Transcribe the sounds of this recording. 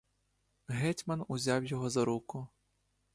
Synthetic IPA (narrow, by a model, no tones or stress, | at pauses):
ɦɛtʲmɐnʊzʲɑwjɔɦɔzɐɾukʊ